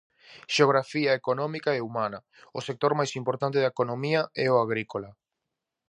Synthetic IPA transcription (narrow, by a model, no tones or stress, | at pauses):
ʃeoɣɾafiaekonɔ̃mikaɛumana | osek̚t̪oɾmajsimpoɾt̪ant̪eðaekonomiaɛoaɣɾikola